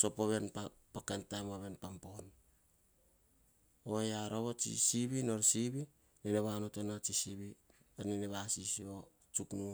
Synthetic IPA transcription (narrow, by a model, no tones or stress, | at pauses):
sopoβenpa | pakantajmaβe̞npampo̞n | oeaɾoβot͡ʃḭsiβino̞ɾsiβi | neneβanotonat͡ʃisiβi | enineβasisio | t͡ʃuknu